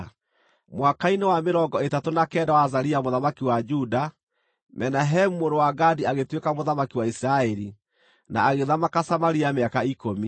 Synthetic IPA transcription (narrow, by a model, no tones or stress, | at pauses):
mwakainewameɾɔŋɡɔetatonakɛːdawazaɾiamoðamakiwad͡ʒuda | mɛnaɦɛmumoɾowaɡadiaɣetwekamoðamakiwaisiɾaɛɾi | na̰ːɣeðamakasamaɾiameakaikomi